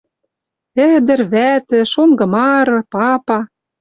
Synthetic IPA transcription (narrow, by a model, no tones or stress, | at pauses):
ɘ̆d̪ɘ̆rβæt̪ɘ̆ʃoŋɡɤ̆mɑɾɤ̆pɑpɑ